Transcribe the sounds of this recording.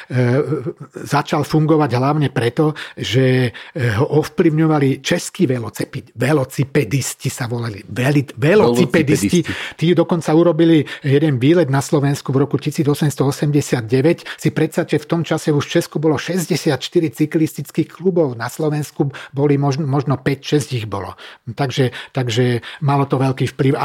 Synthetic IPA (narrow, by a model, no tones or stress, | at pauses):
zat͡ʃalfuŋɡɔʋaɟɦlaʊɲɛpɾɛt̪ɔʒɛɦɔʔɔfpliʊɲɔʋalit͡ʃɛskiːʋɛlɔt͡sɛpiʋɛlɔt͡sipɛd̪iscisaʋɔlaliʋɛliʋɛlɔt͡sipɛd̪scit̪iːd̪ɔkɔnt͡sauɾɔbilijɛd̪ɛnʋiːlɛd̪naslɔʋɛnskuvɾɔkucisiːd͡zɔsɛmst̪ɔɔsɛmɟɛsɪad̪̚ɟɛʋɛcsipɾɛt̪sat͡ʃɛft̪ɔmt͡ʃasɛuʃft͡ʃɛskubɔlɔʃɛzɟɛsɪat̪ʃt̪iɾit͡siklist̪it͡skiːxklubɔʊnaslɔʋɛnskubɔlimɔʒnmɔʒnɔpɛcʃɛzɟiɣbɔ̰lɔ̰t̪aɡʒɛt̪aɡʒɛmalɔt̪ɔʋɛlkiːfpliʊa